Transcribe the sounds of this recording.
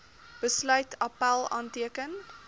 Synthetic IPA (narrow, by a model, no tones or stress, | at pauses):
b̥əslœɥtʰɐpælˠɑ̰ːntiəkən